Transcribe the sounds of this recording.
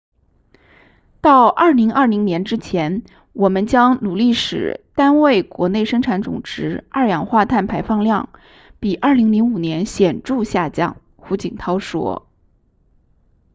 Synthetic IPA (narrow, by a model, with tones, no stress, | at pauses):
t̪ɑ˥˧ʊʔɐ˞˥˩li˧˥ŋɐə˞˥˩li˧˥ŋnjɛ˧˥nʈ͡ʂɻ̩˥t͡ɕʰjɛ˧˥n | wʔɔ˨˩mə˦nt͡ɕjɑ˥ŋnu˨˩li˥˩ʂɻ̩˨˩t̪a˥nwe˥˩ɪkwɔ˧˥ne˥˩ɪʂɤ˥ŋʈ͡ʂʰa˧˥nt͡sʊ̰˨˩ŋʈ͡ʂɻ̩˧˥ɐ̰˥˩jɑ˨˩ŋxwa˥˧t̪ʰa˥˩npʰa˧˥ɪfɑ˥˧ŋljɑ̰˥˩ŋ | pi˨˩ʔɐ˞˥˩li˧˥ŋli˧˥ŋu˨˩njɛ˧˥nɕjɛ˨˩nʈ͡ʂu˥˧ɕja˥˧t͡ɕjɑ̰˥˩ŋ | xu˧˥t͡ɕi˨˩ŋt̪ʰɑ˥ʊʂwɔ̰˥